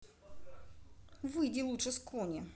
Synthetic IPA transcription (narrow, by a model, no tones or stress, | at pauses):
vɨjdʲɪlˠutʂɨskʰonʲɪ